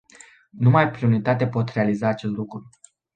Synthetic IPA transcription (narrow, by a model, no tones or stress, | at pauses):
numajpɾiunit̪at̪epo̞t̪re̞alizaːt͡ʃe̞st̪lukɾu